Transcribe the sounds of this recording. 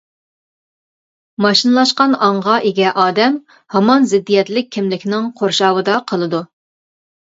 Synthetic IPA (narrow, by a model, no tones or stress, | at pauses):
mɑʃinlˠɑʃqɑnɑɴʁɑʔeɡʲɛʔɑːd̪ɛm | hɑmɑnzɪd̪ːijɛt̪lɪk̚ʲʰːɪmlɪkʲʰnɪŋqʰoɾʃɑːwɨd̪ɑqʰəlˠɨd̪u